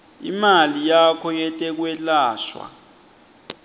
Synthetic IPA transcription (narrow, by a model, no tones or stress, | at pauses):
ḭmalijakʰɔjɛtʼɛk̬wɛlaːʃwa̰